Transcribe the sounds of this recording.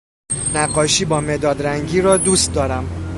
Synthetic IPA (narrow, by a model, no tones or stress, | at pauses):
næɢːɒːʃiːbɒːmed̪ɒːd̪ɾæŋɟiːɾɒːd̪uːst̪̚d̪ɒːɾæm